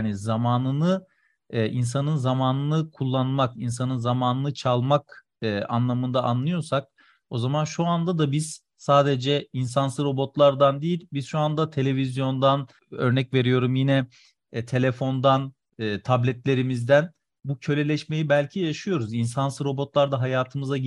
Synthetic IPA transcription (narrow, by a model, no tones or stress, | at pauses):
anizamaːnɯnɯ | ʔinsanɯnzamaːnɯnɯkʰulˠːanmakins̬anɯnzamaːnɯnɯt͡ʃʰalˠmakː | ʔa̰nlˠamɯnd̪aʔanlˠɯjo̞ɾsak̚ | o̞zamanʃuand̪ad̪abiz̥ | saːd̪ed͡ʒɛinsansɯɾo̞bo̞t̪lˠaɾd̪and̪ijilʲbiz̥ʃuand̪at̪ʰe̞lʲe̞vizjo̞nd̪an | ø̞̰ɾnɛcve̞ɾijo̞ɾumjinɛ | t̪ʰe̞lʲefo̞nd̪anː | t̪ʰablʲɛt̪lʲe̞ɾimizd̪æn | bucʰø̞lʲe̞lʲɛʃme̞jibælʲcʰijaʃɯjo̞ɾuzinsansɯɾo̞bo̞t̪lˠaɾd̪aɦajaːt̪ʰɯmɯza